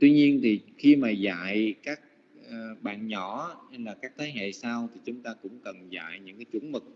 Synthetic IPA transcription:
t̪wi˧ɲi˧ənt̪ʰi˨˩xi˧maː˨˩za̰ː˧˨jkaː˦˥k̚ | ə˨ɓa̰ː˧˨nɲɔ˧˩ha˧laː˨˩kaː˦˥k̚t̪ʰeː˨˦ɦḛ˧˨saː˧wt̪ʰi˨˩t͡ɕʊ˨˦ŋ͡mt̪aː˧kʊ̰˧˥ŋ͡mkə˨˩nza̰ː˧˨jɲɨ̰˧˥ŋkaː˨˦t͡ɕwu˧˩nmɨ˨˩k̚

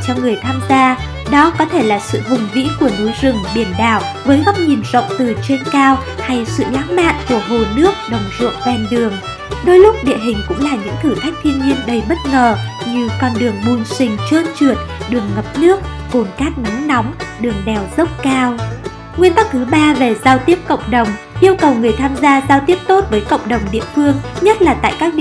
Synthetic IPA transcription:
t͡ɕɔ˧ŋɨ˨˩əjt̪ʰaː˧mzaː˧ | ɗɔ˨˦kɔ˨˦t̪ʰe˧˩laː˨˩sɨ̰˧˨vʊ˨˩ŋ͡mvḭ˧˥ku˧˩ənu˨˦jzɨ˨˩ŋɓi˧˩ənɗaː˧˨˩w | vəː˨˦jɣɔ˦˥wk͡p̚ɲi˨˩mzə̰˧˨wŋ͡mt̪ɨ˨˩t͡ɕe˧nkaː˧wha˧jsɨ̰˧˨la̰ː˨˦˥ŋma̰ː˧˨nku˧˩əɦo˨˩nɨ˦˥ək̚ɗə˨˩wŋ͡mz̥ṵ˧˨ŋvɛ˧˩nɗɨ˨˩əŋ | ɗo˨˦jlʊ˦˥k͡p̚ɗḭ˧˨əɦï˨˩ŋ̟kʊ̰˧˥ŋ͡mlaː˨˩ɲɨ̰˧˥ŋt̪ʰɨ˧˩t̪ʰa˦˥jk̟̚t̪ʰi˧ənɲi˧ənɗə˧˩jɓə˦˥t̚ŋəː˨˩ɲɨ˧kɔ˧nɗɨ˨˩əŋɓu˧˩nsï˧˩ŋ̟t͡ɕəː˧nt͡ɕi˧˩ət̚ɗɨ˨˩əŋːə˨˩p̚nɨ˦˥ək̚ko˨˩nkaː˦˥k̚na˨˦mnɔ˨˦wŋ͡mɗɨ˨˩əŋɗɛ˨˩wzə˦˥wk͡p̚kaː˧w | ŋwi˧ənt̪k̚ːɨ˨˦ɓaː˧ve˨˩zaː˧wt̪i˦˥əp̚kə̰˧˨wŋ͡mɗə˨˩wŋ͡m | ʔi˧əwkə˨˩wŋɨ˨˩əjt̪ʰaː˧mzaː˧zaː˧wt̪i˦˥əp̚t̪o˦˥t̚vəː˨˦jkə̰˧˨wŋ͡mɗə˨˩wŋ͡mɗḭ˧˨əfɨ˧əŋɲə˦˥t̚laː˨˩t̪a̰ː˧˨jkaː˦˥k̚

